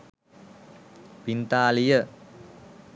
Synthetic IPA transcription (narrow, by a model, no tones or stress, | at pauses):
pint̪aːlijə